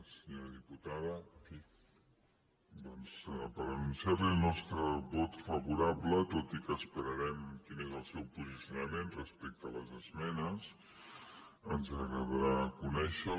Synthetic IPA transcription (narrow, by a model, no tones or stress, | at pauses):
səɲoɾəðiput̪aðəfi | d̪ɔnspəɾənunsiaɾlilˠnɔst̪ɾəβɔt̪fəβuɾablət̪ot̪ikəːspəɾəɾɛmkinezəlˠsɛwpuzisjunəmenrəspɛk̚t̪ələzəzmɛnəs | ənzəɣəβəɾakunɛʃə